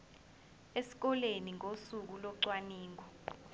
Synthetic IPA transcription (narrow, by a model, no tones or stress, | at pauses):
esi̥k̬ɔleniŋʱosuk̬ulɔǀwaniːŋʱɔ